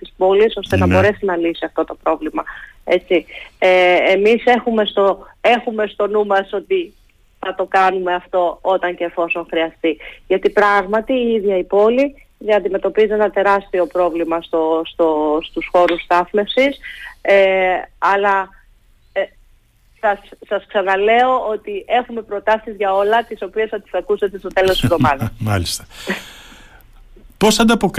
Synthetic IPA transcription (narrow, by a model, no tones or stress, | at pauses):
t̪ispo̞liso̞st̪e̞nɐbo̞ɾe̞sinɐlisiɐft̪o̞t̪o̞pɾo̞vlimɐe̞t͡sieemise̞xume̞st̪oe̞xume̞st̪o̞numɐso̞t̪i | θɐt̪o̞kɐnume̞ɐft̪o̞o̞t̪ɐɲce̞ːfo̞so̞ŋxɾiɐst̪iʝɐt̪ipɾɐɣmɐt̪iiðʝɐipo̞li | ðiɐnd̪ime̞t̪o̞pizie̞nɐt̪e̞ɾɐst̪io̞pɾo̞vlimɐst̪ost̪o̞st̪usxo̞ɾust̪ɐθme̞fsiseɐlɐ | sɐssɐsksɐnɐle̞o̞o̞t̪ie̞xume̞pɾo̞t̪ɐsizʝɐo̞lɐt̪iso̞pie̞sɐt̪i̥sɐkuset̪e̞st̪ot̪e̞lo̞siðo̞mɐðɐmɐlist̪ɐ̥ | po̞sɐnd̪ɐpo̞k